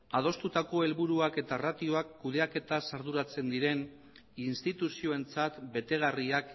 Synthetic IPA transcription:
að̞o̞st̪ut̪ako̞e̞lβuɾuake̞t̪arat̪io̞akːuð̞e̞ake̞t̪asaɾðuɾat͡se̞nd̪iɾe̞n | inst̪it̪usio̞e̞nt͡sat̪be̞t̪e̞ɣ̞ariak

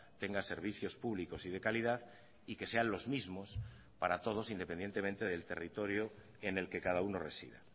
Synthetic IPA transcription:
t̪e̞ŋɡaseɾβ̞iθjo̞spuβliko̞sið̞e̞kalið̞að | ike̞se̞anlo̞zmizmo̞s | paɾat̪o̞ð̞o̞sind̪e̞pend̪e̞nt̪e̞mẽnt̪e̞ð̞e̞lt̪e̞rit̪oɾjo | ene̞lke̞kað̞auno̞re̞sḭða̰

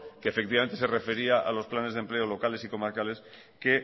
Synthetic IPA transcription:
keːfek̚t̪̬iβaent̪eserefe̞ɾiaʔa̰lo̞splane̞zðemple̞olo̞kale̞siko̞maɾkale̞s | ke

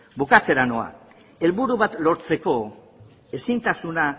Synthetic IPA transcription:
bukat͡se̞ɾanoa̰ | e̞lβuɾuβat̪lo̞ɾt͡se̞ko̞ | e̞sint̪asuna

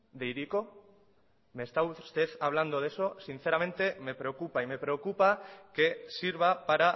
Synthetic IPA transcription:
d̪eiɾiko | mest̪aust̪eθaβ̞land̪oð̞esosin̟θeɾamẽnt̪emepɾeokupaimepɾeokupakesiɾβ̞apaɾa

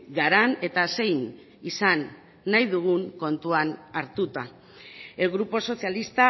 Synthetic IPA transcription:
ɡaɾane̞t̪ase̞jn | isanː | ajðuɣ̞uŋko̞nt̪uanaɾt̪ut̪a | eɣɾupo̞so̞sialist̪a

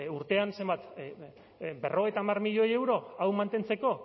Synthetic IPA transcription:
uɾt̪e̞anse̞mbat̪ | be̞rʔo̞e̞jt̪aːmarmiʎo̞je̞wɾo̞awmant̪e̞nt͡se̞ko̞

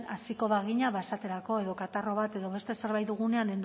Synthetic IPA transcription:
asiko̞βaɣ̞iɲaβaesat̪e̞ɾako̞e̞ðo̞kat̪aro̞β̞at̪e̞ðo̞βe̞st̪e̞se̞ɾβ̞ajt̪uɣ̞une̞ane̞nd̪

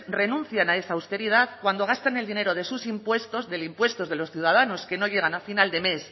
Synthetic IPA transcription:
re̞nũn̟θjanae̞saːwst̪e̞ɾiðaðkwand̪o̞ɣ̞ast̪ane̞ld̪ine̞ɾo̞ð̞e̞susimpwe̞st̪o̞zðe̞limpwe̞st̪o̞zðe̞lo̞sθjuð̞að̞ano̞ske̞no̞ʝe̞ɣ̞anafinald̪e̞me̞s

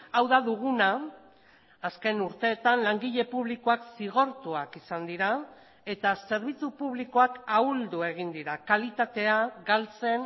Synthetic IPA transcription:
awðaðuɣ̞una | ske̞nuɾt̪e̞ːt̪anlaŋɡiʎe̞puβ̞liko̞aksiɣ̞o̞ɾt̪uakisand̪iɾa | e̞t̪ase̞ɾβ̞it͡supuβ̞likoakauld̪ue̞ɣ̞ind̪iɾakalit̪at̪e̞aɡalt͡se̞n

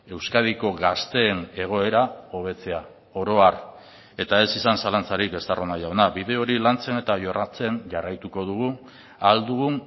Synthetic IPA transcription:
e̞wskað̞iko̞ɣast̪e̞ːne̞ɣ̞o̞e̞ɾao̞β̞e̞t͡se̞a | o̞ɾo̞aɾ | e̞t̪ae̞sisansalant͡saɾikɡe̞st̪aronaʝawnaβið̞e̞o̞ɾilant͡se̞ne̞t̪aʝo̞rʔat͡se̞nʝarajt̪uko̞ð̞uɣu | ald̪uɣun

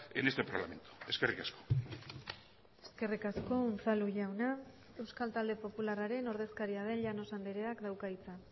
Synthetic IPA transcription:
enest̪e̞paɾla̰me̞̰nt̪u̥e̞ske̞rikasko̥ | e̞ske̞rikasko̞ːnt͡saluʝawna | e̞wskalt̪ald̪e̞po̞pularaɾe̞no̞ɾðe̞skaɾiað̞e̞nʎano̞sand̪eɾe̞akd̪awkait͡sa

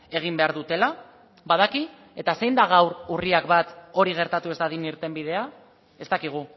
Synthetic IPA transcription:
e̞ɣ̞imbe̞aɾðut̪e̞la | baðaki | e̞t̪ase̞jnd̪aɣ̞awɾuriakbat̪o̞ɾiɣ̞e̞ɾt̪at̪ue̞zd̪aðiniɾt̪e̞mbið̞e̞a | e̞st̪akiɣ̞u

